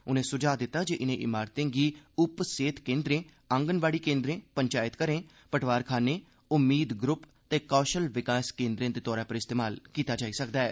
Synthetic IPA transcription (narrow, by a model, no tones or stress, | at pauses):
ʊnẽːsʊd͡ʒaːd̪ɪt̪ːaːd͡ʒeːʔɪnẽːʔɪmaːɾt̪ẽːɡiːʊpseːt̪kẽːnd̪ɾẽː | əŋɡənbaːɽiːkẽːnd̪ɾẽːpəɲt͡ʃaːɪt̪kəɾẽː | pəʈʰʋaːɾkʰaːneː | ʊmːiːd̪ɡɾʊp | t̪eːkɔːʃəlʋɪkaːskẽːnd̪ɾẽːd̪eːt̪ɔːɾaːpəɾɪst̪eːmaːlkiːt̪aːd͡ʒaːiːsəkd̪aːɛː